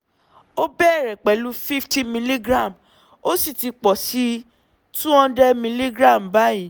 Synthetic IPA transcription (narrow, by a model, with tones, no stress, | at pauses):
o˦bɛ˦˨ɾɛ˨k͡pɛ˨˦lu˦fi˦fti˦mĩ˧li˦ɡɾa˦˨m | o˦si˦˨ti˧k͡pɔ˨si˧˦ | tũ˦ɔ̃˧dɛ˧mĩ˧li˦ɡɾa˦˨m˨ba˦jĩ˨